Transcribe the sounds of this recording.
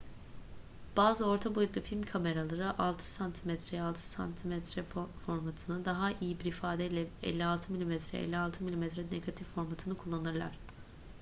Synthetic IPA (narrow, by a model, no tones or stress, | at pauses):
b̥aːzɯo̞ɾt̪ʰabo̞jut̪lˠufilʲmkʰame̞ɾalˠaɾɯʔalˠt̪ʰɯ̥sant̪ʰimɛt̪ɾɛjalˠt̪ʰɯ̥sa̰nt̪ʰimɛt̪ɾɛfo̞ɾmat̪ʰɯnɯd̪aɦaʔijibiɾifaːd̪ɛilʲɛɛ̰lʲːialˠt̪ʰɯmilʲimɛt̪ɾɛ̰ɛ̰lʲːialˠt̪ʰɯmilʲimɛt̪ɾɛneɡat̪ʰifːo̞ɾmat̪ʰɯnɯkʰulˠːanɯɾlˠa̰ɾ̝̥